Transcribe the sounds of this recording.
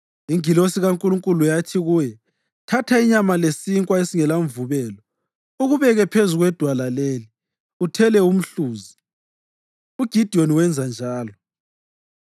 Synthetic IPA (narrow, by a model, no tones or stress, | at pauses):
iŋilosiɣaŋkʼuluŋkʼulujatʰiɣuːjɛ | tʰatʰaiɲamalesiŋkʼwaesiŋɛlaɱvuβɛːlɔ | uɣuβɛɣɛpʰezuɣwɛd̥ʱwalaleːli | utʰɛlɛum̩ɬuːzi | uɡ̥ʱid̥ʱioniwɛnd͡zʱand͡ʒʱaːlɔ